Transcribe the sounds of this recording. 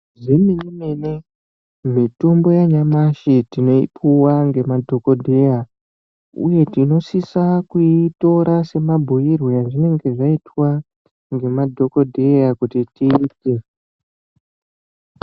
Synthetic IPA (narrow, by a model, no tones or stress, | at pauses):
ʐiminime̞ne | mitombo̞jaɲamaʃitino̞ipʰuwaŋɡe̞madʱo̞kodʱe̞ja | ṵje̞tino̞sisakuito̞ɾase̞mabʱujirwejaʐine̞ŋɡe̞ʐaitwa | ŋɡe̞madʱo̞ko̞dʱe̞jakutitiːte̞